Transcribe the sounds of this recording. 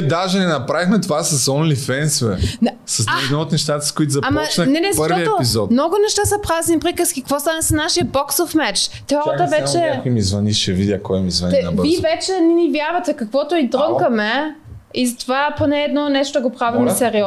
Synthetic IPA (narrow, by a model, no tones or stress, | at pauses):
d̪aʒɛnɛnɐpɾavixmɛt̪ovasɐsɔnlifɛnsvɛsɐsɛd̪nɔot̪nɛʃt̪at̪ə̥skoit̪zɐapmɐt͡ʃnənɛnɛzɐpʃtɾvɔiɛopizɔt̪mnɔɡʊnɛʃt̪asɐpɾaznipɾikəskikɐkvɔst̪anəsɐnaʃiəbɔksofmɛt͡ʃt̪ɛɔɾət̪əvɛt͡ʃɛkimizvɐniʃɛvid̪ʲəkɔjmizvɐ̰nivivɛt͡ʃɛnɛnivjaɾvɐt̪ɛkɐkvɔt̪oid̪ɾɤŋkɐmɛ | izɐt̪ovaponɛːd̪nɔnɛʃt̪od̪ɐɡopɾavimɛsɛɾiɔ